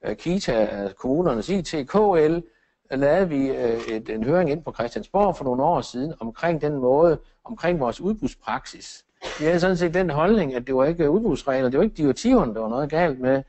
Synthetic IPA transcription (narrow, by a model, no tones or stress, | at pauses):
kʰit͡sʰækʰomuːnɐnəsit͡sʰe̝kʰo̰el | lɛːð̞̩ˠʋied̥enɦøːɐʁeŋe̝n̰pʰɒ̽kʰʁɛsd̥jænsb̥ɒ̰ːfɒ̽no̝ːn̩ɒ̰ːsiːð̞ˠn̩ɒ̽mkʰʁeŋ̰d̥enmɔ̽ːð̞ˠə | ɒ̽mkʰʁeŋ̰ʋɒːsuð̞ˠb̥uðˠspʰʁɑ̈ɡ̥sis | ʋihæðˠsɒ̽n̩s̬e̝̰ːd̥ːenɦɒ̽lne̝ŋæd̥e̝ʋɑ̈e̝ɡ̥əuðˠb̥ʁuðˠsʁɛɪlɐd̥e̝ʋe̝ɡ̥əd̥iɐ̥t͡sʰiʊ̰ɐnəd̥ɑ̈ʋɑ̈nɔ̽ːðˠɡ̥ɛ̰ːld̥me